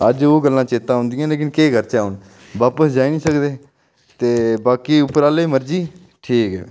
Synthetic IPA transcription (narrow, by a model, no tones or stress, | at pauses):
əd͡ʒoːɡəlːãːt͡ʃeːt̪ãːɦõːnd̪ɪjãːleːk̬ɪnkeːɡʱəɾt͡ʃaːʊn | baːpəsd͡ʒaːiːnĩːsəkd̪eː | t̪eːbaːkiːʊpɾaːləiːməɾd͡ʒiː | ʈʰiːkː